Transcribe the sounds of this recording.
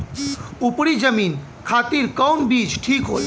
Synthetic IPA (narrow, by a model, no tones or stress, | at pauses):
upɽid͡ʒəmin | kʰat̪iɾkɔwnbid͡ʒʈʰikɦo̰l